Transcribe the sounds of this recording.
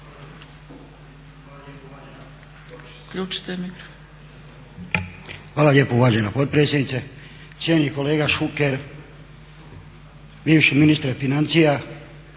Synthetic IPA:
kʎuːt͡ʃi̥t̪emiɡɾ | xʋaːlaljepouʋaːd͡ʒenapo̞t̪̚pɾetsjed̪nit̪se | t̪sjeniko̞leːɡaʃukeɾ | biːʋʃiminist̪ɾfinant̪sija

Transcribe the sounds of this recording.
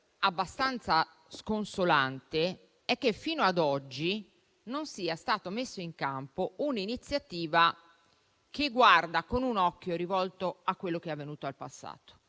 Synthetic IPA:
abːast̪ant̪sa | skonsolant̪e | ɛkːefiːnoad̪ɔd͡ʒːi | nonsiːast̪aːt̪omesːoiŋkampouninit̪sːjat̪iːva | keɡːward̪akonunɔkːjoɾivɔlt̪oakːwelːok̟eavːenuːt̪oalpasːa̰ːt̪o̥

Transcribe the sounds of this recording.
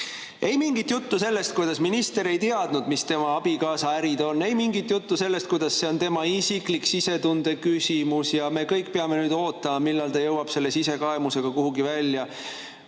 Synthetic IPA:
ʔe̞jmiŋɡit̪ːjut̪ːuse̞lːe̞st̪̚kujd̪ɑsminist̪e̞ɾe̞jt̪eɑd̪̥nud̪mist̪e̞mɑɑb̥ikɑːsɑæɾid̪̥o̞nːe̞jmiŋɡit̪jut̪ːuse̞lːe̞st̪̚kujd̪̥ɑsːe̞o̞nt̪e̞mɑisikliksise̞t̪und̪̥e̞kysʲimusjɑme̞kɤjkːpeɑme̞nyːd̪̥o̞ːt̪ːˑɑmɑmilːɑlt̪ɑjɤwɑb̥se̞lːe̞sise̞kɑemuse̞ɡ̥ɑkuɦuɡivælʲːjɑ

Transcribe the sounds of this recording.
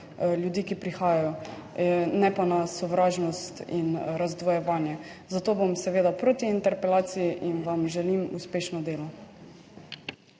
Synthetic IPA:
ljud̪iːkipɾixaːjajɔ | nɛpanasɔʋɾaːʒnɔst̪inɾazd̪ʋɔjɛʋaːnjɛzat̪oːbomsɛʋeːd̪apɾot̪iːnt̪ɛɾpɛlaːt̪sijiʔinʋamʒɛlimuspeːʃnɔd̪eːlɔ

